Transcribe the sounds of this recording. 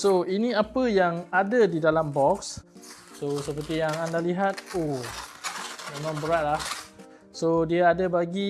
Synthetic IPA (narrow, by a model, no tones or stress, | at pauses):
soinĩapəjaŋadədidalambɔks | sosəpərt̪ijaŋandaliɦat̪̚o | mẽmãŋbəɾaʔ̪̚lah | sodiaadəbaɡi